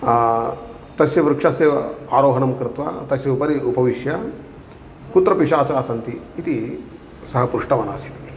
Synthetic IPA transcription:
t̪ɐsjɐʋɾukʂaseːʋɐaːɾoːɦɐnɐmkɾɪt̪ʋa̰t̪ɐsjɐupɐɾiupɐʋiʂjɐ | kut̪ɾɐpiʂaːt͡sɐɾaːsɐnt̪iːt̪i | sɐɦɐpɾuʂʈɐʋɐnaːsi̥t̪

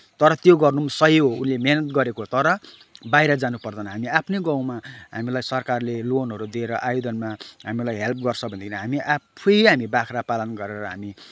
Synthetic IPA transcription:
t̪ʌɾʌt̪joɡʌrnumsʌɦiɦounlemenʌt̪̚ɡʌɾekot̪ʌɾʌ | bajɾʌd͡zanupʌrd̪ʌnʌɦamiapʰneɡãw̃maɦamilajsʌrkarlelonɦʌɾud̪ieɾʌʔajod̪ʌnmaɦamilajɦelp̚ɡʌrt͡sʰʌbʱʌnd̪kʰinʌɦamiʔapʰuiɦamibakʰrapalʌnɡʌɾeɾʌɾʌɦami

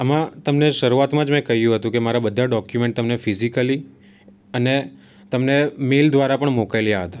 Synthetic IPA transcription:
əmãt̪əmneʃəɾuat̪mãd͡ʒmɛ̃kəɦjũɦət̪ũkemaɾabəd̪ʱːaɖɔkjumẽɳʈ̚t̪əmnefizikəli | əne | t̪əmnemeld̪ʱʋaɾapəɳmokajljaɦət̪ḁ

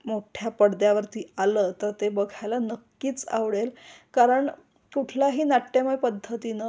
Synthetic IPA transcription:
moʈʰjapəɽd̪jaʋəɾt̪iːalət̪əɾt̪ebəɡʱajlanəkːiːt͡sa̰ʋɽelkaɾəɳ | kuʈʰlaɦiːnaʈːemajpəd̪ʱːət̪inə

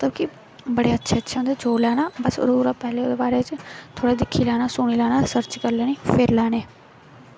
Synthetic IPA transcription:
mət̪ləbki | bəɽeːətːʃʰeːətːʃʰeːɦʊnd̪eːd͡ʒoːlɛːnaːbəsɾuːɾaːpɛːleːoːd̪eːbaːɾeːt͡ʃt̪ʰoːɽeːd̪ɪkʰːiːlɛːnaːsʊːɽiːlɛːnaːsəɾt͡ʃkəɾlɛːneːpʰɪɾlɛːneː

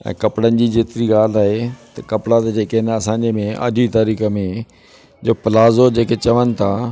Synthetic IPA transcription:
ɛ̰̃ːkɐpɽənɪ̆d͡ʑiːd͡ʑeːt̪ɪɾiɡaːl̤aːɦet̪ɐkɐpɽat̪ed͡ʑeːkenɐsãːɲd͡ʑemẽʔə̰d͡ʑit̪əɾiːxəmẽ | d͡ʑoːpɪlaːzod͡ʑeːket͡ɕɐʋənɪ̆t̪ʰaː

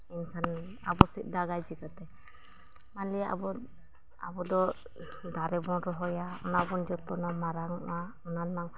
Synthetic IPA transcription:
inkʰan | a̰bɔsit̪̚ˀd̪aɡajd͡ʒikat̪ɛ | manlɛa̰bɔ | a̰bɔd̪ɔ | d̪aɾɛbɔnɾɔɦɔjaɔnabɔnd͡ʒɔt̪ɔnamaɾaŋ̰ʔa | ɔnanmaŋ

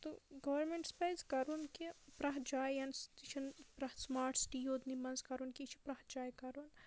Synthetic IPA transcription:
t̪oɡɐʋɐɾmeɳʈspɐjzkɐɾunkipɾɐɦd͡ʒaːjjɐnst̪it͡ʃʰɐnpɾɐhsmaːɾʈsʈijoːd̪nimɐnzkɐɾunkit͡ʃʰi̥pɾɐhd͡ʒaːjkɐɾuːn

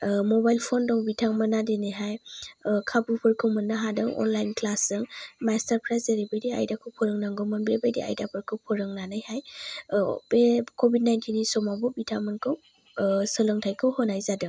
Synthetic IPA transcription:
mɔbajlpʰɔndɔŋbitʰaŋmɯnːadenɯjɦajkʰabupʰɯɾkʰɯwmɯnːaɦadɯŋɔ̰nlajnklasɯŋmastaɾpʰɾajseɾibajdia̰jdakʰɯwpʰɔɾɯŋnaŋɡɔmɯnbiɾebajdḭa̰jdapʰɯɾkʰɯwpʰɔɾɯŋnanɯjhaj | bekɔbid̚najntʰinːisɔmabɔbitʰaŋmɯnkʰɯw | sɯlɯŋtʰajkʰɯwhɔnajzadɯŋ

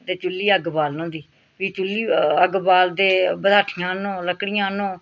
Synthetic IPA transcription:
t̪eːt͡ʃʊlːiːəɡbaːlnõːd̪iː | ʋiːt͡ʃulːiːəɡbaːld̪eːbəd̪ʱaːʈʰɪjãːnõːləkɽɪjãːnõː

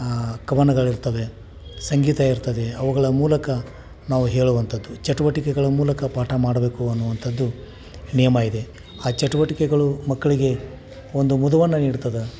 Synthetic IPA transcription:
kɐʋɐnɐɡɐɭiɾt̪ɐʋe̞ | sɐŋɡiːt̪ɐiɾt̪ɐd̪e̞ɐʋuɡɐɭɐmuːlɐkɐ | naːʋuɦe̞ːɭuʋɐnt̪ʰɐd̪ːut͡ʃɐʈuʋɐʈikɛɡɐɭɐmuːlɐkɐpaːʈʰɐmaːɽɐbe̞ːkuɐnːuʋɐnt̪ʰɐd̪ːu | nijɐmɐid̪e̞ | aːt͡ʃɐʈuʋɐʈikɛɡɐɭumɐkːɐɭiɡe̞ | o̞nd̪umud̪ɐʋɐnːɐniːɽut̪ɐd̪ɐ

